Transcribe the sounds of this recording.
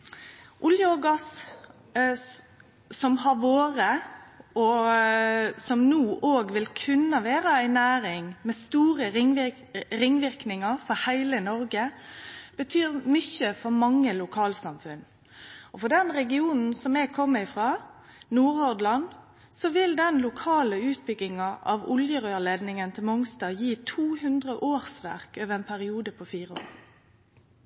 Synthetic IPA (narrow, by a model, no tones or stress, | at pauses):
ʔʊljəɔɡɑs | sɔmɦɑɾʋoːɾəɔ | sɔmnuːʔoːɡʋɪlkʰʉnːəʋeːɾəæɪnæːɾɪŋmɛst̪uːɾə | ɾɪŋːʋɪɾknɪŋəɾfɔɾhæɪlənɔɾɡə | b̥ət̪ʰyːɾmʏçəfɔɾmɑŋːəlʊkʰɑːlsɑmfʉn | ɔfɔd̪ɛnʁɛɡɪuːnn̩sɔmɛɡkʰɔmːəɪfʁɑː | nuːɾhɔd̪lɑn | sɔʋɪld̪ɛnlʊkʰɑːləʉːt̪̚bʏɡːɪŋɑʔɑʋʊ̰ljəʁøːleːd̪nɪŋənt̪ʰɪlmʊŋst̪ɑːjiːt̪ʰuːhʉnd̪ʁəʔoːɾsʋæ̰ʁkøːʋəɛːnpʰæʁɪuːd̪əpʰɔfiːɾəo̰ːʁ